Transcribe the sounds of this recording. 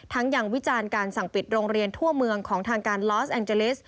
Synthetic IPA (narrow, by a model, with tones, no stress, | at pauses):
t̪ʰa˦˥ŋjaː˧˩ŋwi˦˥t͡ɕaː˧nkaː˧nsa˨˩ŋpi˨˩t̪̚ɾoː˧ŋɾi˧ənt̪ʰu˥˩əmɯ˧əŋkʰɔː˩˦ŋt̪ʰaː˧ŋkaː˧nlɔː˦˥sʔɛː˧ŋt͡ɕe˧li˦˥s